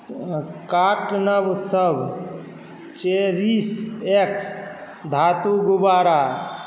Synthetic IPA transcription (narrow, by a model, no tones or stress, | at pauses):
kaʈnəbsəbʱ | t͡ʃeɾiseks | d̪ʱat̪uɡubaɾa